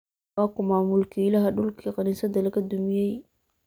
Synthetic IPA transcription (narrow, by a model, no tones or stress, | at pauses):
akumamulkilahaɗulkikanisad̪alakad̪umije